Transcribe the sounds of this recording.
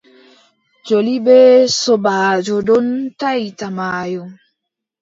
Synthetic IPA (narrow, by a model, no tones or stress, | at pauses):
d͡ʒolibɛsɔbaːd͡ʒɔdɔntajtamaːjɔŋ